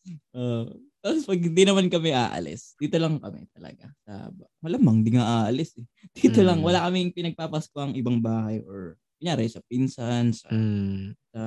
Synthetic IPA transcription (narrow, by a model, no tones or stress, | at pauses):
ʔoʔt̪aːpospɐɡ̚hɪnd̪inɐmankɐmɛʔa̰ːʔɐ̰lɪ̰sd̪̥iːt̪o̞lɐŋkɐmɛ̰t̪ɐlɐ̰ɡa̰sɐ̰bmɐlɐmɐŋd̪ɪŋaʔaːʔɐlɪsɛd̪̥iːt̪olɐŋwɐlakɐmɪŋpɪnɐɡ̚paːpɐskoʔɐŋʔɪbɐŋbaːhɐjʔoɹ | mɪjaːɾɛjsɐp̚insansɐ̰ | sɐ